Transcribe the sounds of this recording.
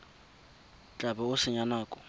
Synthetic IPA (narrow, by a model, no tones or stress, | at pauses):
t͡ɬʼabɛʊsɪɲanaːkʼɔ